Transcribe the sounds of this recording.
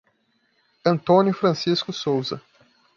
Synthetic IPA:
ɐ̃nt̪õnjʊfɾɐ̃siskʊsowzɐ̰

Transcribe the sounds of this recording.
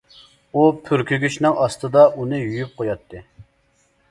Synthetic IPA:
upʰyɾkʲyɡʲyʃnɨŋʔɑst̪ɨd̪ɑʔunɨjyjyp̚qʰojɑt̪ʰːɨ

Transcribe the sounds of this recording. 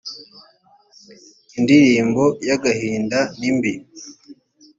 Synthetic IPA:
indiɾiːmbo̞jaɡahiːndanimbi

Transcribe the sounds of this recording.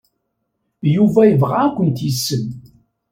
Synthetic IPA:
juvæjəvʁakʷənt̪jisːən

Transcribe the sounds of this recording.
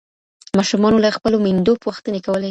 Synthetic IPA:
mɑʃumɑnolaxpəlomind̪opəɣuxt̪ənekawəle

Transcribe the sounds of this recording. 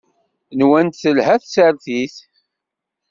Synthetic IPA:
nwænt̪θəlɦæθsəɾθiθ

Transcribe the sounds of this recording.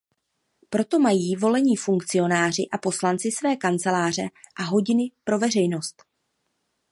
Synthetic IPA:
pɾo̞t̪o̞majiːvo̞lɛɲiːfuŋkt͡sɪo̞naːr̝ɪʔapo̞slant͡sɪsvɛːkant͡sɛlaːr̝ɛʔaɦo̞ɟɪnɪpɾo̞vɛr̝ɛjno̞st̪

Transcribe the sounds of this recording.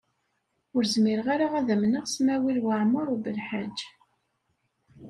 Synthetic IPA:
ʊɾzmiɾʁaɾaʁæðæmnəʁsmæwilwəʕməɾˤubəlħad͡ʒː

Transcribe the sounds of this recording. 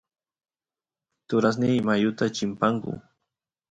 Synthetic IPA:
t̪ʊɾas̬nɪjmajʊt̪at͡ʃɪmpaŋkʊ̰

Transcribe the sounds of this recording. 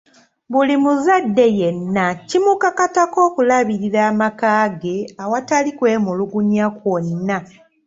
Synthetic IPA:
βulimuzadːe̞jenːacimukakatako̞ːkulaβiɾiɾaːmakaːɡe̞awatalikwe̞ːmuluɡuɲakwonːa

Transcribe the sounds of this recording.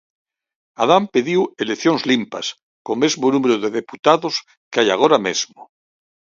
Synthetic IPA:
a̰ðampeðiweleθjoŋzlimpa̰s | komezmonumeɾoðeðeput̪aðos | keajaɣ̞oɾamezmo

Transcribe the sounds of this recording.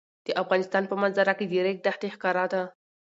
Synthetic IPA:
d̪̥əʔafɣɑnɪst̪ɑnpəmanzaɾaked̪eɾek̚d̪aht̪exkɑɾɑt̪a

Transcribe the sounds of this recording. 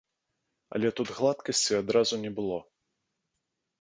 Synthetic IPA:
ɐ̰lʲɛt̪ut̪ɣlˠat̪kɐsʲt͡sʲiad̪ɾazunʲɛbɨlˠɔ

